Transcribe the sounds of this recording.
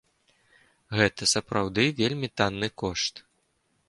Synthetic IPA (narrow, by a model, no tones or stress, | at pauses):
ɣɛt̪ɐsɐpɾawd̪ɨvʲelʲmʲit̪anːɨkɔʂt̪